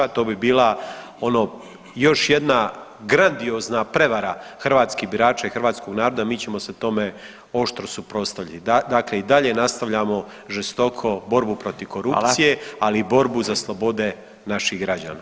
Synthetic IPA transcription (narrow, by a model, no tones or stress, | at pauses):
at̪o̞ːbibiːla | o̞no̞ | jo̞ʃje̞d̪na | ɡɾand̪io̞ːznapɾe̞ʋaɾaxr̩ʋaːt̪skibiɾaːt͡ʃaixɾʋaːt̪sko̞ɡnaːɾod̪amiːt͡ɕe̞mo̞set̪o̞me | o̞ʃt̪ɾosupɾo̞st̪aʋʎʲit̪id̪akle̞id̪aʎe̞nast̪aʋʎamo̞ | ʒest̪o̞kʰo̞bo̞ɾbupɾo̞t̪iʋko̞ɾut̪sije̞aliːbo̞ɾbuzaslˠo̞bo̞d̪e̞ | naʃiɣɡɾad͡ʑa̰ːna